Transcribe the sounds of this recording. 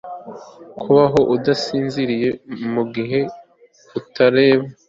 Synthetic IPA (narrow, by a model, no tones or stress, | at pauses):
kʰuβaɦo̞ʔudasiːnziɾije̞muɡiɦe̞ | utʰaɾe̞ːβa